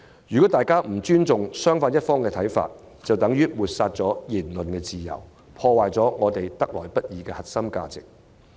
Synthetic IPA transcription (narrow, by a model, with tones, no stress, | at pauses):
jyː˨kɔː˨˥t̪aː˨jkaː˥m̩˨˩t͡ʃyː˥nt͡sʊ˨ŋsœː˥ŋfaː˧njɐ˥t̚fɔː˥ŋkɛː˧t̪ʰɐ˨˥jfa̰ː˧t̚ | t͡sɐ˨wt̪ɐ˨˥ŋjyː˥wuː˨t̚saː˧t̚t͡sɔː˨˥jiː˨˩nlɵ˨nkɛː˧t͡siː˨jɐ̰˨˩w | pʰɔː˧waː˨jt͡sɔː˨˥ŋɔː˨˧t̪e˨jt̪ɐ˥k̚lɔː˨˩jpɐ˥t̚jiː˨˧kɛː˧hɐ˨t̚sɐ˥mka̰ː˧t͡sɪ˨k̚